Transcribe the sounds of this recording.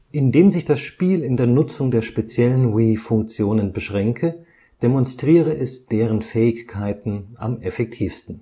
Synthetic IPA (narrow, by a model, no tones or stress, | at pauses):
ʔɪndeːmzɪçd̥asʃpiːlɪndeːɐnʊt͡sʊŋdeːɐʃpet͡sjɛlənwiːfʊŋk̚t͡sjoːnənbəʃʁ̥ɛŋkʰə | d̥emɔnstʁ̥iːʁ̞əʔɛsd̥eːʁənfɛːɪçkʰaɪtn̩ʔa̰mefɛk̚tʰiːfstn̩